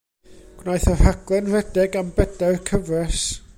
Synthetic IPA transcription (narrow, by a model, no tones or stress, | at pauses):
ɡ̥wnajθɔhaɡ̥lˠɛnrɛdɛɡambɛdarkʰəvrɛs